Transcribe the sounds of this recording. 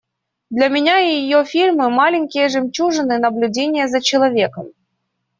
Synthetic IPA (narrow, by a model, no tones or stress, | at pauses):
d̪lʲɐmʲɪnʲaɪjɪjofʲilʲmɨmalʲɪnʲkʲɪjəʐɨmt͡ɕuʐɨnɨnɐblʲʊdʲenʲɪjəzɐt͡ɕɪlˠɐvʲekəm